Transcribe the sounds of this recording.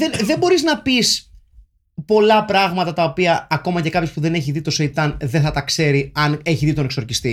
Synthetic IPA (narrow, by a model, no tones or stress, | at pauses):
enðe̞mbo̞ɾiznɐpis | po̞lɐpɾɐɣmɐt̪ɐt̪ɐo̞piɐːko̞mɐcekɐpço̞spuðe̞ne̞çiðit̪o̞seit̪ɐnðeθɐt̪ɐkse̞ɾiɐne̞çiðit̪one̞kso̞ɾcist̪i